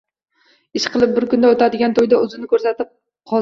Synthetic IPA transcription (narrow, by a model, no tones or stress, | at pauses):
ɪʃqʰɨlˠɪp̚bɪɾkʊnd̪aot̪ad̪ɪɡʲant̪ʰojd̪aɵzɪnɪkʰɵɾsat̪ɪp̚ | qʰɒ